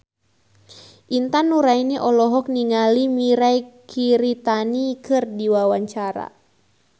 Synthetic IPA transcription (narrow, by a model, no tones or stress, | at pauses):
ʔint̪anːuɾainiʔɔlɔɦɔk̚niŋalimiɾajkʰiɾit̪anikɨrdiwawaɲt͡ʃaɾa̰